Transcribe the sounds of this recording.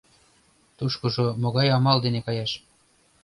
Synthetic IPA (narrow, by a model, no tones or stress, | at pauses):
t̪uʃkŏʒomoɣɑjɑmɑld̪enekɑjɑʃ